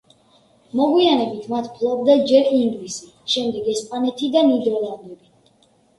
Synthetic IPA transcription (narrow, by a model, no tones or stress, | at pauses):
mɔɡwianɛbit̪ʰmat̪ʰpʰlˠɔb̚d̪ad͡ʒɛɾind̪lisi | ʃɛmd̪ɛɡɛspʼanɛt̪ʰid̪anid̪ɔlˠand̪ɛbi